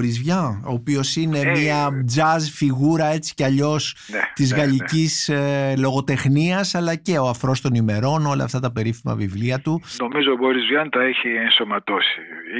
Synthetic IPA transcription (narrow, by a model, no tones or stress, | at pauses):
ɾizvʝɐoːpio̞sine̞miɐd͡zɐzfiɣuɾɐe̞t͡si̥ceɐʎo̞snet̪izɣɐlicislo̞ɣo̞t̪e̞xniɐsɐlɐce̞o̞ɐfɾo̞st̪o̞nime̞ɾo̞no̞lɐ̰ft̪ɐt̪ɐpe̞ɾifimɐ̰vivliɐt̪uno̞mizoboɾizvʝɐnt̪ɐeçienso̞mɐt̪o̞sḭ